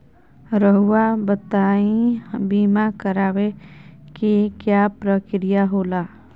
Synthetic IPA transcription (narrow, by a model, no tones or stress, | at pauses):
ɾəɦuabət̪aːĩbiːmakəɾaːʋekekjaːpɾəkɾijaɦoːlaː